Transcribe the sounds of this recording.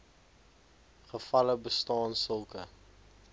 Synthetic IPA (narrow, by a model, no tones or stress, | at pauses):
χəfɐləbəstɑːnsəlˠkə